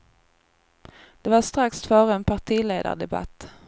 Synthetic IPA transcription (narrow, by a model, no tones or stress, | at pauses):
d̪̥ɛvaɾʂt̪ɾaksfœːɾəɛnpʰaʈʰiːlḛːd̪a̰ɖɛba̰t̪ː